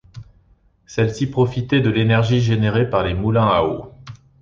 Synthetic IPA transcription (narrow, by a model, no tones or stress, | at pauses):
sɛlsipχɔfit̪ɛd̪əlenɛʁʒiʒeneʁepaʁlemulɛ̃ao